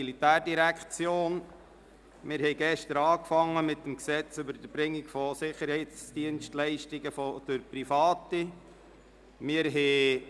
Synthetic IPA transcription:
ilit̪æːrdiɾækʰt͡sjoːn | mɪɾhɛɪɡɛʃtəɾɑːkfɑŋːəmɪtːəmksɛt͡sʏbəɾd̥əb̥ɾɪŋːɪkfɔsɪχəɾhɛɪt͡sd̥iənʃtlɛɪʃtɪɡəfɔd̥əɾpɾifɑːti | mɪəɾɦɛː

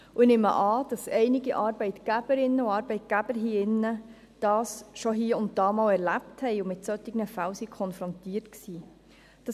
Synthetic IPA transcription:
uɪnɪmə̰ʔɑːd̥ɑsɛɪnɪɡiʔɑːɾbɛɪtɡ̥æb̥əɾɪnːəuɑːɾbɛɪt̚ɡ̥æb̥əɾɦiːɪnːə | d̥ɑːsʃɔɦiːəʊnt̚d̥ɑːmɑlɛɾlæpthɛɪʊmɪtsœtːɪɡnəfæwsikʰɔnfɾɔntiːtksiː | d̥ɑ

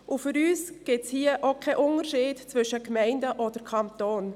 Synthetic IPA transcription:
ʔufʏɾyːsɡ̥ɪtshiːəʔokʰɛʔʊnəɾʃiːtt͡sʋʏʃəkmɛɪndəʔɔd̥əɾkʰɑnt̪oːn

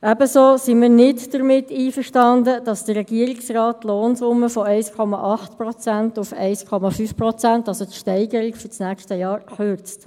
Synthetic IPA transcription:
ʔɛbəsoːsimiːɾnɪtd̥əɾmɪtːiːfəʃtɑndəd̥ɑsd̥əːɛɡ̥iəɾɪksrɑːtːloːnsʊmːəfɔɛɪskʰɔmɑʔɑχtpɾɔt͡sæntufɛɪskʰɔmɑfyːfpɾɔt͡sæntɑlsot̪ʃtɛɪɡəɾikfyt͡snæːkʃtəjɑːɾχʏɾt͡st

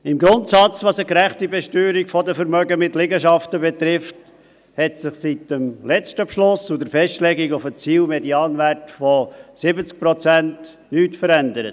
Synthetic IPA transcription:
ɪmɡɾʊntsɑt͡sʋɑsəkɾæχtibɛʃtyːɾikfɔdəfəɾmœɡəmɪtlɪɡəʃɑftəbɛt̪ɾɪft | hɛtsɪχsitəmlɛt͡stəpʃlʊsudəɾfɛstlɛɡiɡʊfət͡siːlmɛdiɑːnʋærtfɔsɪbət͡sk̚pɾɔt͡sænt | nyːtfəɾændəɾət

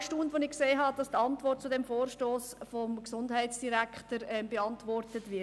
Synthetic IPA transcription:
ʃtundʋonɪkseːɦɑd̥ɑstɑntvʋɔrt̚t͡sudɛmfoːɾʃtoːsfɔmksʊndhɛɪtsd̥iɾækχtəɾɛmbeɑntvɔrtətvɪ

